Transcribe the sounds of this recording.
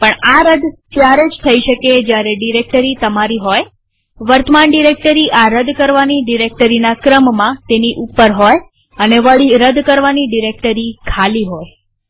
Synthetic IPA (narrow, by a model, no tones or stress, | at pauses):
pəɳaɾəd̪t̪jaɾed͡ʒt̪ʰəiʃəked͡ʒjaɾeɖiɾek̚ʈəɾit̪əmaɾiɦoj | ʋəɾt̪əmaɳɖiɾek̚ʈəɾiʔaɾəd̪kəɾʋaniɖiɾek̚ʈəɾinakɾəmːãt̪eniʔupəɾɦoj | əneʋəɭiɾəd̪kəɾʋaniɖiɾek̚ʈəɾikʰaliɦoj